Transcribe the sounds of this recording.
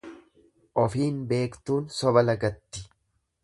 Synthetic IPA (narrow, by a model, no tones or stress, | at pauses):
ʔɔfiːnbe̞ːkt̪uːnsɔbɐlɐɡɐt̪ːɪ̥